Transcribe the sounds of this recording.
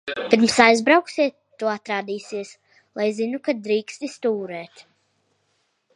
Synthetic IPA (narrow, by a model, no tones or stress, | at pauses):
pʲiɾmsajzbɾawksiɛt̪ːuɔat̪ɾaːd̪iːsiɛs | lˠajzinukad̪ɾiːkst̪ist̪uːɾɛːt̪